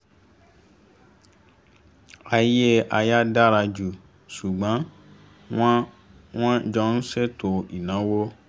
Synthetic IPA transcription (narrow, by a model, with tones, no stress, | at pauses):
a˧je˦a˧ja˦da˦ɾa˧d͡ʒu˨ | su˨ɡ͡bã˨˦ | w̃ã˦d͡ʒɔ˧n̩˦se˦tʰo˧i˨nã˨˦wo˦